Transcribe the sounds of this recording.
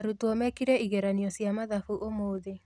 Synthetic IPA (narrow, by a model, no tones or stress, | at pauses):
ɾutɔmɛkiɾɛiɣɛɾaniɔsjamaðafuʔomoːðe